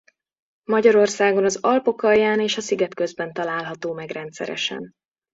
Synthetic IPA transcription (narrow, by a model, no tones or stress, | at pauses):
mɒɟɒɾo̞rsaːɡo̞nɒzɒlpo̞kɒjːaːneːʃɒsiɡɛt̪kø̞zbɛnt̪ɒlaːlɦɒt̪oːmɛɡrɛnt̪sɛ̰ɾɛ̰ʃɛ̰n